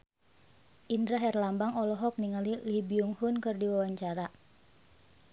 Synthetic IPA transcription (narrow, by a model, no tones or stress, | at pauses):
ʔindɾaɦɛrlambaŋɔlɔɦɔk̚niŋalilibiuŋhunkɨrdiwawaɲt͡ʃaɾa